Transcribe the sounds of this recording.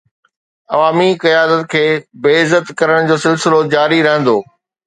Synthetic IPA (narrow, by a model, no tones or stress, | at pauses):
ɐʋaːmikɐjaːd̪ət̪kʰeːbeːɪzət̪kɐɾəɽ̃d͡ʑoːsɪlsɪlod͡ʑaːɾiɾɐɦə̃nd̪oː